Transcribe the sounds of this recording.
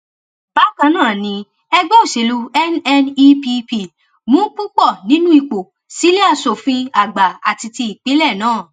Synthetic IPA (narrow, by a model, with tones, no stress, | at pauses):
b̥a˨˦˨kã˨˦nãː˦˨nĩ˧ | ɛ˧ɡ͡bɔ̃˦o˦˨ʃe˨lu˧ɛ˦nɛ˧ni˦pi˧pi˧˨ | mũ˦k͡pu˦k͡pɔ˦˨nĩ˨˦nũ˦i˧k͡po˨ | si˨˦le˦a˧so˨fĩ˧a˨ɡ͡ba˨a˨ti˧ti˧i˨k͡pe˨˦lɛ˦˨nãː˦˨